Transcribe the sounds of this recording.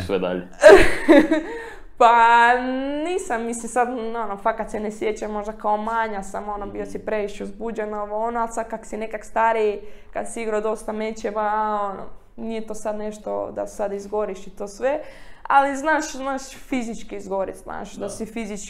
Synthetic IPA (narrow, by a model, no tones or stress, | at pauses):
sʋed̪a̰ʎe | pa | niːsamːislimsad̪onofakad̪senesjet͡ɕamo̞ʒd̪akaomaɲasamo̞nobiosipɾeʋiʃeuzbuːd͡ʑenoʋoonoalsad̪kaksinekakst̪aɾijkad̪siiɡɾad̪o̞st̪amet͡ʃemaono̰ | nijet̪oːsad̪neʃt̪o̰d̪a̰̥sad̪izɡo̞ɾiʃit̪oːsʋea̰liznaːʃznaːʃfizit͡ʃkiizɡo̞ɾḭt̪zna̰ːʃd̪asifizit͡ʃ